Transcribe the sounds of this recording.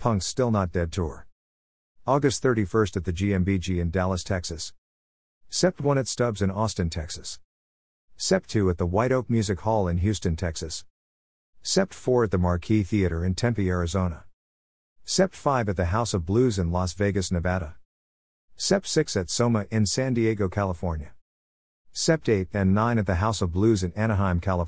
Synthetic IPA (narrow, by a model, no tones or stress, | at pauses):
pʰʌ̃ŋkstɪlˠnət̚d̥ɛd̚tʰʊɹ | ɔɡɨst̪̚θɜ˞ɾifɜ˞stɨt̪̚ðɨd͡ʒiɛ̃mbid͡ʒiɨ̃ndælˠəstʰɛksɨsː | ɛp̚t̚wʌ̃ñɨtstʌbzɨ̃nɔstə̃ntʰɛksɨsː | ɛp̚tʰʉɨt̪̚ðəwaɪɾoʊk̚mjʉzɨkhɔlˠə̃nɦjʉstɨ̃ntʰɛksɨsː | ɛp̚tfɔɹɨt̪̚ðəmɑɹkʰiθiɨɾə˞ɨ̃ntʰɛ̃mpiɛɹɨzõʊ̃nə | sɛp̚tfaɪvɨt̪̚ðɨɦaʊsʌvblʉzɨ̃nlɔsveɪɡɨsnɨvæɾə | sɛp̚tsɪksɨtsõʊ̃mɨʔɪ̃nsæ̃ndieɡoʊkʰælˠəfɔɹnjɨ | sɛp̚teɪɾɨ̃nːãɪ̃ñɨt̪̚ðɨɦaʊsʌvblʉzɨ̃næñəɦãɪ̃mkʰælˠə